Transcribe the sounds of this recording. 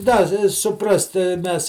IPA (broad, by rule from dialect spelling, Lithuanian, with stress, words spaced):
ˈdɐ ɪ sʊˈprɐst tʲɪ ˈmʲɛs